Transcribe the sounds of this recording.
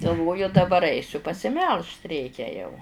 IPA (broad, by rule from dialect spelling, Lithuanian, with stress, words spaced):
ɡɐlˠˈʋoːjʊ dɐˈbɐr ˈɐɪsʲʊ pɐsʲɪˈmʲɛlˠʃt ˈrʲɛɪkʲɛ jɛʊ